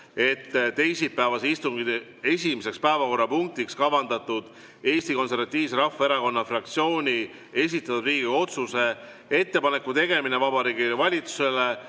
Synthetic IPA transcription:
e̞t̪ːt̪e̞jsipːæevɑseist̪uŋɡid̪e | e̞sʲimese̞kspæevɑko̞rːɑpuŋk̚t̪ikskɑvɑnd̪ɑt̪ːˑud̪̥ | e̞ːst̪iko̞ns̬e̞rvɑt̪ʲːˑiːvs̬e̞ɾɑfːɑe̞ɾɑko̞nːɑfrɑkt̪sio̞ːnʲi | e̞s̬it̪ːˑɑt̪ːud̪riːɡ̥io̞t̪suse̞ | e̞t̪ːe̞pɑne̞kːut̪e̞ɡe̞mine̞vɑbɑɾiːɡivɑlʲit̪su̥se̞le̞

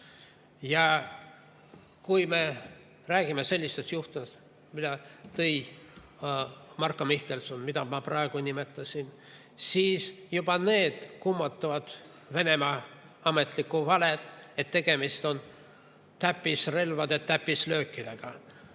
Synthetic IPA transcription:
jɑ | kujme̞ | ræːɡ̥imese̞lʲːist̪est̪juht̪umest̪ | mid̪ɑt̪ɤj | mɑrkːˑomihkelsunmid̪̥ɑmɑprɑeɡ̥unʲime̞t̪ːˑɑsʲin | siːsjub̥ɑne̞ːd̪̥kumːɑt̪ːˑɑvɑd̪̥ | ve̞ne̞mɑ | ɑme̞t̪ˑlikːuvɑlet̪ːˑe̞t̪ːe̞ɡ̥e̞mist̪o̞n | t̪æpːˑisre̞lvɑd̪et̪ːæpːˑislø̞ːkːid̪̥eɡ̥ɑ

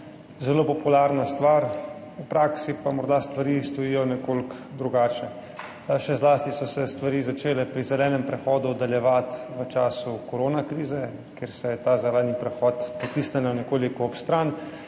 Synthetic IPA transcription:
zɛloːpɔpulaɾnast̪ʋaɾ | upɾaːksipamɔɾd̪ast̪ʋaɾiːst̪ɔjiːjɔnɛkolkd̪ɾuɡaːt͡ʃnɛ | ʃɛzlaːst̪isɔsɛst̪ʋaɾiːzat͡ʃeːlɛpɾizɛlɛːnɛmpɾɛxɔːd̪ud̪aljɛʋat̪ʋət͡ʃaːsukɔɾoːnakɾiːzɛ | keɾsɛjɛt̪aːzalaːd̪nipɾɛxɔt̪pɔt̪iːsnɛnanɛkoːlikɔːpst̪ɾan

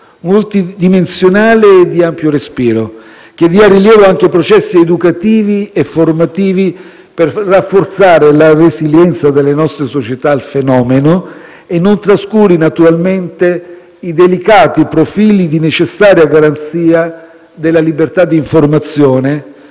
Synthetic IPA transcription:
molt̪id̪imensjonaːleːd̪iampjoɾespiːɾo | ked̪iariljɛːvoaŋk̟epɾot͡ʃɛsːied̪ukat̪iːviefːormat̪iːvi | perrːafːort̪saːɾelaresiljɛnt̪sad̪elːenɔst̪ɾesot͡ʃet̪ailfenɔːmeno | enːont̪ɾaskuːɾinat̪uɾalment̪e | id̪elikaːt̪ipɾofiːlid̪inet͡ʃesːaːɾjaɡaɾant̪siːa | d̪elːalibert̪ad̪ːiːɱformat̪sjoːne

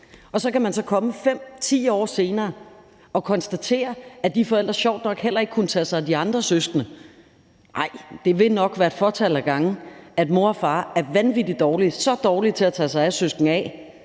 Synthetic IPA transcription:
ɒ̽sɒ̽kæmænsɒ̽kʰɒ̽məfem̰t͡sʰḭːɒ̰ːse̝ːnɐː | ɒ̽kʰɒ̽nsd̥æt͡sʰe̝̰ːɐæd̥ifɒ̽el̰d̥ʁɐɕɒʊ̰d̥nɒ̽ɡ̥hel̰ɐe̝ɡ̥kʰunət͡sʰɛsɑ̈ɪd̥iɑ̈nd̥ʁɐsøsɡ̥nə | ʔɑ̈ɪ̰d̥e̝ʋe̝nɒ̽ɡ̥ʋæːɐe̝d̥fɒt͡sʰæl̰æɡ̥ɑ̈ŋn̩æd̥mo̝ɐɒfɑ̈ːæɐʋænʋid̥i̥d̥ɒːlisɒ̽d̥ɒːlit͡sʰe̝æt͡sʰɛsɑ̈ɪæsøsɡ̥n̩ɛ

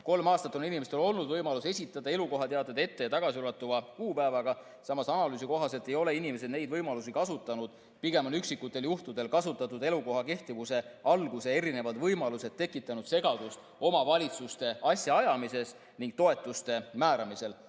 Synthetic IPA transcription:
ko̞lmɑːst̪ɑt̪ːˑo̞ninimest̪elo̞lnud̪vɤjmɑluse̞sʲit̪ːˑɑd̪̥ɑe̞luko̞ɦɑt̪eɑd̪ed̪e̞t̪ːe̞jɑt̪ɑɡ̥ɑsiolɑt̪ːˑuvɑkuːpæevɑɡ̥ɑ | sɑmɑsɑnɑlyːs̬iko̞ɦɑse̞lt̪ːˑe̞jo̞le̞inime̞s̬e̞d̪̥ne̞jd̪vɤjmɑlusikɑsut̪ːˑɑnud̪̥ | piɡ̥e̞mɑnyksikːˑut̪ːˑe̞ljuht̪ud̪̥e̞lkɑsut̪ːˑɑt̪ːˑud̪e̞luko̞ɦɑke̞ht̪ivuse̞ɑlɡ̥usee̞ɾine̞vɑd̪vɤjmɑluse̞d̪̚t̪ːe̞kːˑit̪ːˑɑnud̪̥se̞ɡɑd̪̥ust̪ | o̞mɑvɑlʲit̪sust̪e̞ɑsjɑɑjɑmise̞s | niŋɡ̚t̪o̞e̞t̪ːˑust̪e̞mæːɾɑmise̞l

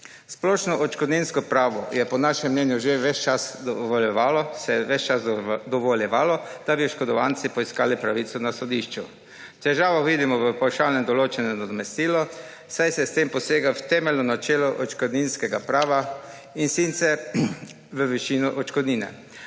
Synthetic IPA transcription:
splɔːʃnɔʔɔt͡ʃkɔd̪ninskɔpɾaːʋɔjɛpɔnaʃɛmːnɛnjuʒeʋɛt͡ʃt͡ʃasd̪ɔʋɔljɛʋaːlɔsɛʋɛt͡ʃt͡ʃasd̪ɔʋɔljɛʋaːlɔd̪̥abiɔʃkɔd̪ɔʋant̪sipɔiskaːlipɾaʋiːt̪sɔnasɔd̪iʃt͡ʃu | t̪ɛʒaːʋɔʋiːd̪imɔʋəpɔwʃaːwnɛmd̪ɔloːt͡ʃɛnɔnad̪ɔmɛst̪iːlɔ | sajsɛst̪empɔseːɡawt̪ɛːmɛlnɔnat͡ʃeːlɔʔɔt͡ʃkɔd̪niːnskɛɡapɾaːʋa | insint̪sɛɾ | ʋəʋɛʃiːnɔʔɔt͡ʃkɔd̪niːnɛ̰

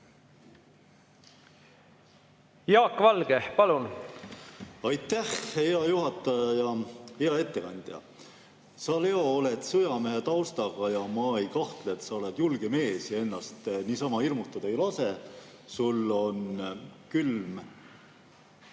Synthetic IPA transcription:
jɑːkːvɑlɡ̥epɑlun | ɑjt̪ːæhheɑjuɦɑt̪ːˑɑjɑjɑheɑe̞t̪ːe̞kɑnd̪̥jɑ̰ | sɑle̞o̞ole̞t̪sɤjɑmeɦet̪ɑwst̪ɑɡ̥ɑjɑmɑe̞jkɑht̪leet̪sɑo̞le̞d̪̥julɡ̥e̞me̞ːsjɑe̞nːɑst̪niːsɑmɑirmut̪ːˑɑd̪̥ɑjulɑse̞ | sulːo̞nkylm

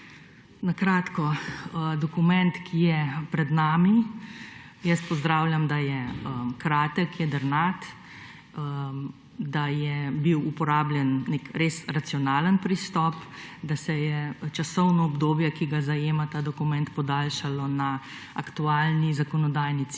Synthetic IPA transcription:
nakɾaːt̪kɔd̪ɔkumɛnt̪kʰijɛpɾɛd̪naːmi | jəst̪̚pɔzd̪ɾaːwlʲjamd̪ajɛəkɾaːt̪əkːjɛd̪əɾnat̪ | d̪ajɛbiwupɔɾaːblʲjɛnːekɾesɾat̪siɔnaːlənpɾist̪ɔːpd̪asɛjɛt͡ʃasɔwnɔːbd̪oːbjɛkiɡazajeːmat̪aːd̪ɔkumɛnt̪pɔd̪aːlʃalɔnaː | kt̪uaːlnizakɔnɔd̪aːjnit̪

